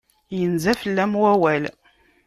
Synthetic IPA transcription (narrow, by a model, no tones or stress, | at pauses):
jənzæfəlːæmwæwæl